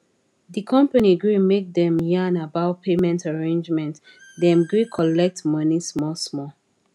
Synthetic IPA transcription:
dikʰɔ̃mpaniɡɹimek̚dɛ̃mjãnabaʊpʰemɛ̃ntaɹẽnd͡ʒmɛ̃nt | dɛ̃mɡɹikʰɔlɛk̚tmʌnismɔsmɔ

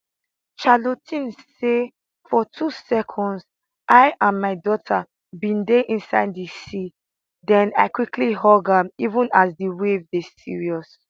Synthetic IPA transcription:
ʃalotʰĩnse | fɔtʰusɛkʰɔ̃ndz | ʔaɪʔãnmaɪdɔtʰa | bĩndeʔĩnsaɪddisi | dɛ̃na̰ɪkwikʰliɦɔɡaivũnazdiwevdesḭɹiɔs

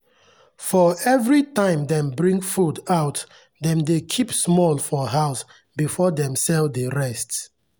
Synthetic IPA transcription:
fɔɛvɹitãɪ̃mdɛ̃mbɹĩŋɡfudaʊt | dɛ̃mdekʰipsmɔlˠfɔɦaʊs | bifɔdɛ̃msɛldeɹɛst

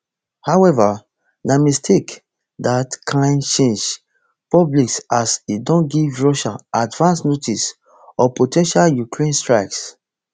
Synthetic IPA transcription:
hawɛva | namestʰek | datkʰãɪ̃nt͡ʃẽnd͡ʒ | pɔbliksasidɔ̃nɡivɹɔʃaadvãnsnotʰis | ɔpotʰɛ̃nʃaljukʰɹẽnstɹaɪks

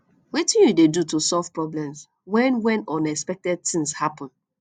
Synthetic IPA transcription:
wetĩnjudedutusɔlv̥pɹɔblɛ̃ms | wɛ̃nwɛ̃nɔ̃nɛkspɛk̚tɛd̚tĩŋshapɔ̃n

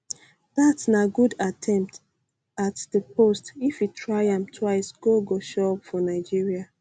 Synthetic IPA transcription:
ð̥atsnaɡudatʰɛ̃mp̚t | atdəpostifitʰɹaɪãmtʰwaɪsɡ̥oɡoʃɔpfɔnaɪd͡ʒiɹia

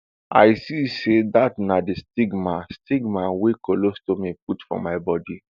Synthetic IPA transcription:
a̰ɪsisedatnadestiɡmastiɡmawekolostomip̚utfɔ̰maɪbɔdi

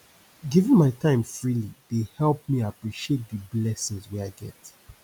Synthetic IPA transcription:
ɡivɪ̃nmaɪtʰãɪ̃mfɹilidehɛlˠp̚miapɹiʃiet̚dəblɛsɪ̃nzwɛaɪɡɛ̰t

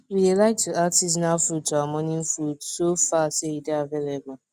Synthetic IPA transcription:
widelaɪk̚tʰuʔatiz̬nalfɾuttʰːawamɔnĩnfɾutsofaseideavelebʊl

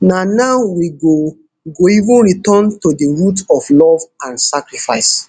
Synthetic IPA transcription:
nanaʊwiɡo | ɡoivũnɹitɔ̃ntodiɹutɔflɔvãnsakɹifaɪs

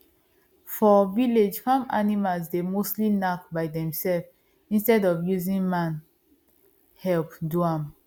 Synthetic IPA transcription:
fɔviled͡ʒfãmanimalsdemostlinak̚baɪdɛ̃msɛlf | ĩnstɛdɔvjuzĩnmãn | hɛlpduãm

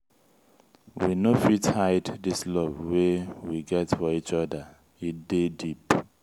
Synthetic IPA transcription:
winofithajddislɔvwɛwiɡɛtfɔit͡ʃɔdə | itdedip

